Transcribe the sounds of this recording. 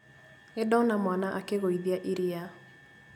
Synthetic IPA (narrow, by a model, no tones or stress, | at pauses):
edɔnamwanaʔakeɣoiðiaʔiɾia